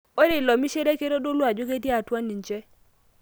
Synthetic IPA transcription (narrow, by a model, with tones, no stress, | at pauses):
o˦ɾɪ˨lɔ˨mi˦ʃe˦ɾe˦ke˦ɾo˦do˦lwa˨d͡ʒo˦ke˦dje˦a˨twa˦ni˨ɲt͡ʃɛ˦